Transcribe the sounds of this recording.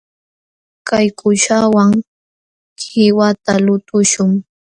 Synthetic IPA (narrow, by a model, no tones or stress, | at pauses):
kajkʊʃawaŋ | kɪwat̪alʊt̪ʊʃʊŋ